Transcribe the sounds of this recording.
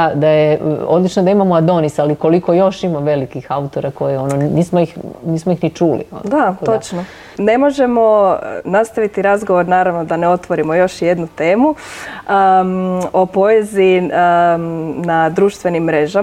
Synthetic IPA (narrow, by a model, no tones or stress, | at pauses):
d̪ajeo̞d̪lit͡ʃnod̪aimamoad̪o̞nisaliko̞liko̞jo̞ʃimaʋe̞likixaut̪o̞ɾako̞jeo̞noniːsmojixniːsmoixnit͡ʃuːlḭo̰nd̪at͡ʃno | ne̞mo̞ʒe̞mo̞nast̪aʋit̪iɾazɡo̞ʋo̞ɾnaːɾaʋno̞d̪aneo̞t̪ʋo̞ɾimo̞jo̞ʃje̞d̪nut̪e̞ːmu | o̞po̞ezi | nad̪ɾuːʃt̪ʋe̞nimːɾe̞ʒa